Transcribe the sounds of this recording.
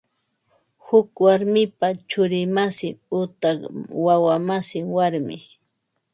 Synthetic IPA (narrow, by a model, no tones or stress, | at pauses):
hʊkwaɾmɪpat͡ʃʊɾɪmasɪŋʊt̪awawamasɪŋwaɾmɪ̰